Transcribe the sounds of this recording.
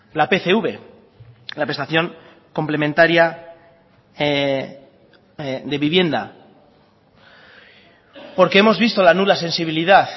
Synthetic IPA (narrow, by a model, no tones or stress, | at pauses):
lape̞θe̞uβe̞ | lapɾe̞st̪aθjo̞ŋ | ko̞mple̞mẽnt̪aɾja | d̪e̞βiβje̞nd̪a̰ | po̞ɾke̞emo̞zβist̪o̞lanulase̞nsiβ̞iliðaθ